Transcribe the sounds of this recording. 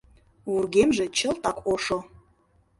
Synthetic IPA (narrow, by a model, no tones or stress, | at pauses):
urɡemʒĕt͡ɕə̆lt̪ɑkoʃo